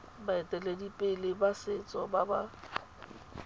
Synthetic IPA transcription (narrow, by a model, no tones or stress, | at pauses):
baɪtʼɛledipʼɪlɪbasɪt͡sʼɔbaba